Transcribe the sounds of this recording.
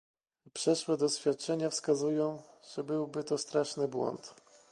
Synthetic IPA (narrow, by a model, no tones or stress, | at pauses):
pʂɛʂwɛd̪ɔɕfʲjat̪̚t͡ʂɛɲafskazujɔ̃w̃ʐ̥ɛbɘwbɘt̪ɔst̪ɾaʂnɘbwɔ̰nt̪